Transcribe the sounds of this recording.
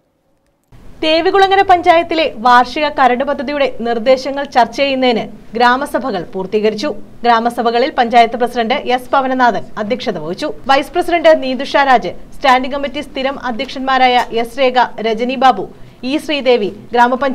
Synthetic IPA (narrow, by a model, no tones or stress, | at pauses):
t̪e̞ːʋiɣuɭɐŋːɐɾɐpɐɲd͡ʑaːjɐt̪ːile̞ʋaːrʂiɣɐkɐɾɐɳɖɨpɐd̪ʱːɐðijuɽe̞nird̪e̞ːɕɐŋːɐɭt͡ɕɐrt͡ɕːeːjunːɐðinɨɡɾaːmɐsɐbʱɐɣɐɭpuːrt̪iːɣɐɾit͡ɕːu | ɡɾaːmɐsɐbʱɐɣɐɭilpɐɲd͡ʑaːjɐt̪ːɨprɐsiɖɐɳɖɨʔespɐʋɐnɐnaːðɐnɐd̪ʱjɐkʂɐðɐʋɐʋit͡ɕːuʋɐjsɨ̥prɐsiɖɐɳɖɨniːd̪uʂaːɾaːd͡ʑɨstaːnɖiŋkɐmitːist̪iɾɐmɐd̪ʱjɐkʂɐnmaːɾaːjɐʔe̞sɾe̞ːɡɐɾed͡ʑɐnibaːbʱuiːɕriːd̪e̞ːʋiɡɾaːmɐpɐ